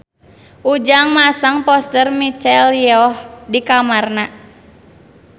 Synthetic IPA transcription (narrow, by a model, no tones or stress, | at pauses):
ʔud͡ʒaŋmasaŋpɔst̪ərmit͡ʃɛljɔhdikamarna